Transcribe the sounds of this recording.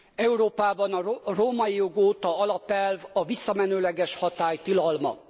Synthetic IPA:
ɛuɾoːpaːbɒnɒroːmɒjijoɡoːt̪ɒɒlɒpɛlvɒvisːɒmɛnøːlɛɡɛʃhɒt̪aːjt̪ilɒlmɒ̰

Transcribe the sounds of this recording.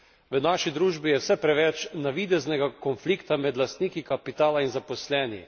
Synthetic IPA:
ʋənaːʃid̪ɾuːʒbijɛwsɛpɾɛʋɛt͡ʃnaʋid̪ɛznɛɡakɔnfliːkt̪amɛd̪last̪niːkikapit̪aːlainzapɔslɛːnḭ

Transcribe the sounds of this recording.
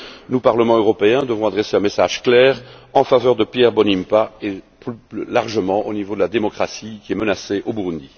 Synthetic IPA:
nupaʁləmɑ̃øʁɔpeɛ̃d̪əvɔ̃ad̪ʁɛseɛ̃mesaʒklɛːʁɑ̃favœːʁd̪əpjɛʁbɔnimpaeplylaʁʒəmɑ̃ʔonivod̪əlad̪emɔkχasikʲiɛmənaseʔobuʁund̪i

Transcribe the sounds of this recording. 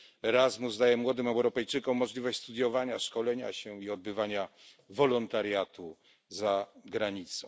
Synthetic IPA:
ɛɾazmuzd̪ajɛmwɔd̪ɘmɛwɾɔpɛjt͡ʂɘkɔ̃mːɔʐlʲivɔɕt͡ɕʲst̪ud̪ʲjɔvaɲaʂkɔlɛɲa̰ɕɛiɔd̪̚bɘvaɲa | vɔlɔnt̪aɾjat̪u | zaɡɾaɲit̪sɔ̃w̃

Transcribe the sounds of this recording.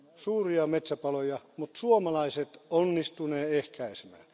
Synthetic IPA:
suːriɑmet̪sæpɑlojɑmut̪suomɑlɑiset̪onːist̪uneːehkæisemæ̰ːl

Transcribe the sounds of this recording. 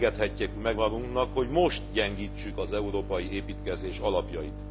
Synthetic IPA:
ɡɛt̪hɛcːekmɛɡmɒɡuŋknɒkho̞ɟmo̞ʃt̪ɟɛŋɡiːt͡ʃːykɒzɛuɾoːpɒjieːpiːt̪kɛzeːʃɒlɒpjɒjit̪

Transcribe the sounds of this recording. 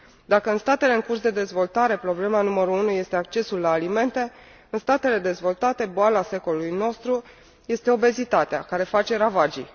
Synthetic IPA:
d̪akəɨnst̪at̪e̞leɨŋkursd̪e̞d̪e̞zvo̞lt̪aɾe̞pɾo̞ble̞manuməɾuunuje̞st̪e̞ak̚t͡ʃe̞sulːaːlime̞nt̪e̞ | ɨnst̪at̪e̞le̞d̪e̞zvo̞lt̪at̪e̞boalase̞ko̞luujno̞st̪ɾu | je̞st̪e̞o̞be̞zit̪at̪ea̰kaɾe̞fat͡ʃe̞ɾavad͡ʒi

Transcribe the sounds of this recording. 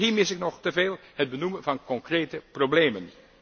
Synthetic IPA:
ɦiːmɪsɪknɔχtəveːlˠhəd̚bənumənvɑnkɔŋkrejtəprobleːmən

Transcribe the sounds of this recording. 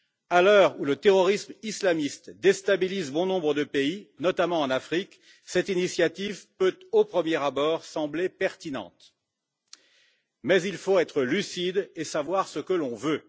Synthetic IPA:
alœʁulət̪eʁɔʁismislamist̪d̪est̪abilizbɔ̃nɔ̃bʁəd̪əpeinɔt̪amɑ̃ɑ̃nafχik | sɛt̪inisjat̪ivpøt̪opχəmjeʁabɔʁsɑ̃blepɛʁt̪inɑ̰̃t̪ | mɛzilfoɛt̪χəlysid̪esavwaʁsəkəlɔ̃vø

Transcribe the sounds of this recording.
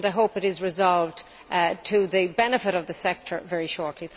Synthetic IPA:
ndaɪɦoʊpɨɾɪzɹɨzɑlˠvd | tʰəðɨbɛnɨfɪɾʌvðɨsɛk̚tʰə˞vɛɹiʃɔɹtʰˡli

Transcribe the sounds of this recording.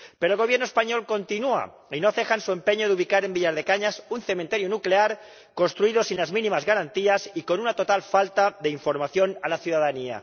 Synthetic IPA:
pe̞ɾolɣo̞βjeɾnoe̞spaɲo̞lko̞nt̪inua̰ | inoθe̞xansue̞mpe̞ɲoðeuβikaɾe̞mbiʎaɾð̞e̞kaɲasunθe̞mẽnt̪e̞ɾjonukleaɾ | ko̞nst̪ɾuiðo̞sinlazmĩnĩmazɣaɾant̪iasiko̞nunat̪o̞t̪alfalt̪aðe̞iɱfo̞ɾmaθjo̞nalaθjuðaðania̰

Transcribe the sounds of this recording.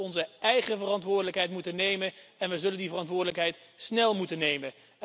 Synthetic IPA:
ɔnzəɛjχəvərɑntʋʊːɹdələkɦɛjtmutənejmənɛnʋəzɵləndivərɑntʋʊːɹdələkɦɛjtsnɛlˠmutənejmə

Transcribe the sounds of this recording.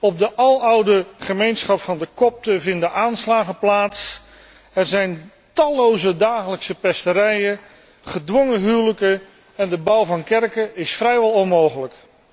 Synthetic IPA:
ɔb̚dəʔɑlˠʌwdəχəmejnsχɑpfɑndəkɔp̚təvɪndəʔaːnslaːχəplaːts | ɛɹzɛjn | tɑlowzədaːχələksəpɛstəɾɛjə | χədʋɔŋəɦyːləkə | ɛndəbʌwvɑnkɛrkəɪsfrɛjʋɛlˠɔnmowχələk

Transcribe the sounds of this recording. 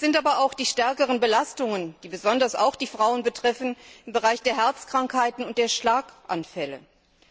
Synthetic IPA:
sz̥ɪntaːbɐaʊxd̥iːʃtɛɐkəʁ̞ənbəlastʊŋənd̥iːbəzɔndɐsa̰ʊxd̥iːfʁ̥aʊənbətʁ̥ɛfn̩ɪmbəʁaɪçd̥eːɐɦɛɐt͡skʁ̥aŋkhaɪtn̩ʊnt̚d̥eːɐʃlaːkʔa̰nfɛlə̰

